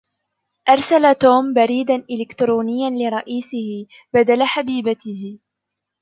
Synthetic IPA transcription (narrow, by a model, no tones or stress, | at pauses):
ʔɑɾˤsalat̪oːmbaɾiːd̪anʔɪlɪkt̪ɾoːnɪjːanlɪɾˤɑʔiːsɪhɪ | bad̪alaħabiːbat̪ɪhɪ